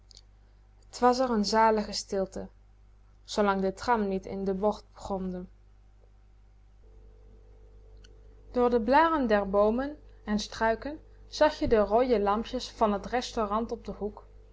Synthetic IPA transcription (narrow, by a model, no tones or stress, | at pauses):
ətʋɑs̬ɛrənzaːləχəstɪlˠtə | z̥owlɑŋdətrɑmnitɪ̰ndəbɔɹt̚brɔmdə | d̥ʊːɹdəblaːrəndɛɹbowmənɛnstrœɥkən | z̥ɑχjədərojəlɑmpjəsfɑnɦətrɛstorɑntɔb̚dəɦuk